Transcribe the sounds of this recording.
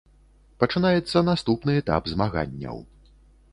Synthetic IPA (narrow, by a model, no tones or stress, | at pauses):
pɐt͡ʂɨnajɛt̪sːɐnast̪upnɨɛt̪a̰pzmaɣa̰nʲːɐ̰w